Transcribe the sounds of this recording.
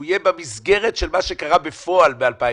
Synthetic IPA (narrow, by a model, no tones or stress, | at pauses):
ijebamizɡeʁetʃelmaʃe̞kaʁabefo̞albealpa